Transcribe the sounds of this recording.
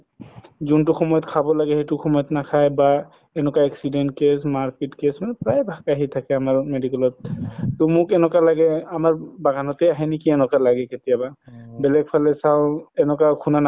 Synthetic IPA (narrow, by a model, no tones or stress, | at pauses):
zuntʊxɔmɔjɔtkʰabɔlaɡɛhetuxɔmɔjɔtnakʰajba | ɛnɔkaɛksidentkesmaɹkitkesmanɛpɹajbʱakaɦitʰakɛamaɹmedikɛlɔt̚tʊmʊkɛnɔkalaɡɛamaɹbaɡʱanɔtejaɦinikiɛnɔkalaɡɛketijababɛlɛɡ̚pʰalɛsawɛnɔkakʰunan